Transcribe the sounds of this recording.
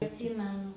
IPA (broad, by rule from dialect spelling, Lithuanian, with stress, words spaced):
ɐtʲˈsʲiːmʲɛnʊ